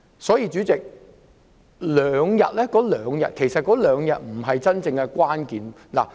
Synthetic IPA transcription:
sɔː˨˥jiː˧t͡ʃyː˨˥t͡sɪ˨k̚ | lœː˨˧ŋjɐ̰˨t̚lɛː˥kɔː˨˥lœː˨˧ŋjɐ̰˨t̚kʰe˨˩jsɐ˨t̚kɔː˨˥lœː˨˧ŋjɐ̰˨t̚m̩˨˩ɦɐ˨jt͡sɐ˥nt͡sɪ˧ŋkɛ˧kwaː˥nkiː˨n | la̰˨˩

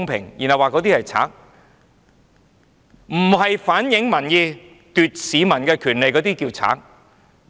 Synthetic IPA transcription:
ŋpʰɪ̰˨˩ŋjḭ˨˩nhɐ˨˩waː˨˧kɔː˨˥t̪iː˥hɐ˨jt͡sʰa̰ː˨˥k̚ | m̩˨˩ɦɐ˨jfaː˨˥njɪ˨˥ŋmɐ˨˩njiː˧ | t̪yː˨t̚siː˨˧mɐ˨˩nkɛː˧kʰyː˨˩nle˨jkɔː˨˧t̪iː˥kiː˧wt͡sʰa̰ː˨˥k̚

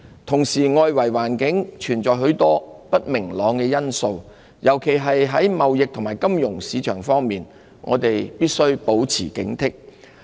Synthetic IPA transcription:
t̪ʰʊ˨˩ŋsiː˨˩ŋɔː˧jwɐ˨˩jwaː˨˩nkɪ˨˥ŋt͡ʃʰyː˨˩nt͡sɔː˨˧jɦɵ˨˥ɥt̪ɔː˥pɐ˥t̚mɪ˨˩ŋlɔː˨˧ŋkɛː˧jɐ˥nso˧w | jʔɐ˨˩wkʰe˨˩jɦɐ˨jɦɐ˨˥jmɐ˨wjɪ˨k̚t̪ʰʊ˨˩ŋmaː˨˩jkɐ˥mjʊ˨˩ŋsiː˨˧˥t͡ʃʰœ̰ː˨˩ŋfɔː˥ŋmiː˨n | ŋʔɔ̰ː˨˧t̪e˨jpiː˥t̚sɵ˥ɥpo˨˥wt͡sʰiː˨˩kɪ̰˨˥ŋt̪ʰɪ˥k̚

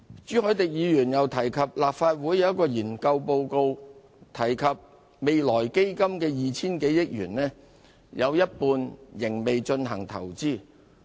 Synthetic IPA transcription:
t͡ʃyː˨˥hɵ˨˧˥t̪ɪ˨k̚jiː˨˧jyː˨˩njɐ˨˩wt̪ʰɐ˨˩jkʰɐ˨p̚laː˨p̚faː˧t̚wuː˨˥jːɐ˨wɐ˥t̚kːɔː˧jiː˨˩nkɐ˧wpo˧wko˧w | t̪ʰɐ˨˩jkʰɐ˨p̚ | me˨jlɔː˨˩jke˥jkɐ˥mkɛː˧jiː˨t͡sʰiː˥nke˨˥jjɪ˥k̚jy̰ː˨˩nlɛː˥ | jʔɐ˨˧wjɐ˥t̚puː˧njɪ˨˩ŋme˨jt͡ʃɵ˧nɦɐ˨˩ŋt̪ʰɐ̰˨˩wt͡siː˥˩

